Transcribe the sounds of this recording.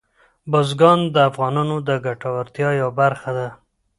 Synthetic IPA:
bozɡɑnd̪əafɣɑnɑnod̪əɡaʈawaɾt̪jɑjawabaɾxad̪a

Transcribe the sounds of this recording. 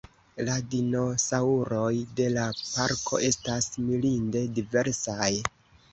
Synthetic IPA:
ladino̞sauɾo̞jde̞lapaɾkʰo̞̰ʔe̞stasmilinde̞dive̞ɾsaj

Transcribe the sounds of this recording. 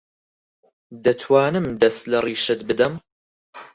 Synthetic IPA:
d̪ɐt̪ʰwaːnɨmd̪ɐst̪lɐriːʃɨt̪̚bɨd̪ɐm

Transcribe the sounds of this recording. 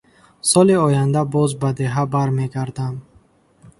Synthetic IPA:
sɔliɔjand̪abɔzbad̪e̞ɦabaɾmeɡaɾd̪am

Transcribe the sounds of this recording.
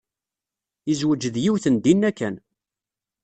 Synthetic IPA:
izwəd͡ʒəðjiwθənd̪inːækːæn

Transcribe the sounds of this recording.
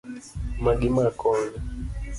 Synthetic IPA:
maɡimakɔnɛ

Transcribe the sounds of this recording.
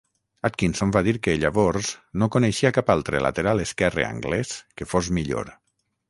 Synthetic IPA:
at̪̚kinsombaðiɾkeʎaβɔɾznokoneʃiakapalˠt̪ɾḛla̰t̪eɾalˠeskɛrḛa̰ŋɡlɛskefozmiʎo̰ɾ

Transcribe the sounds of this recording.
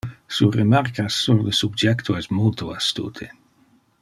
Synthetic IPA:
suremarkasːuɾləsub̚d͡ʒɛkt̪ʰoɛsmolt̪oast̪ṵːt̪ʰe

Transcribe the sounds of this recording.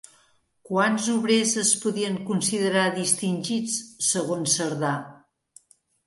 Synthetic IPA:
kwanzuβɾezəspuðiəŋkunsiðəɾaðist̪inʲʒit͡sːəɣonsəɾða

